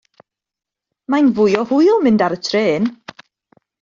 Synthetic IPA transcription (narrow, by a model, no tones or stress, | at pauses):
majnvʊjɔhʊjɔmɪndaɾətʰreːn